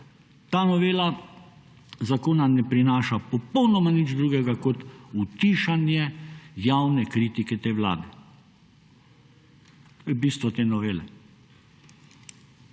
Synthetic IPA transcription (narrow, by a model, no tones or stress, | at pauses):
t̪aːnɔʋeːla | zakoːnanɛpɾinaːʃapɔpɔwnɔmanid͡ʒd̪ɾuːɡɛɡakɔt̪ut̪iːʃanjɛjawnɛkɾiːt̪ikɛt̪eːʋla̰ːd̪ɛ | ɛbiːst̪ʋɔt̪eːnɔʋeːlɛ̰